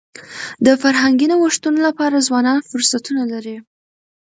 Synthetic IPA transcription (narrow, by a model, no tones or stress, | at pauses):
d̪əfaɾɦaŋɡinowaʂt̪unolapɑɾazwɑnɑnfʊɾsat̪unalaɾi